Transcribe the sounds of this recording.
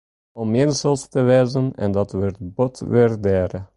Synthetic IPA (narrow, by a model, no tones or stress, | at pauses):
ɔmɪnzəlˠstəʋɛjzənɛ̰ndɑtʋɪrt̚bɔtʋɪrdɛːɾə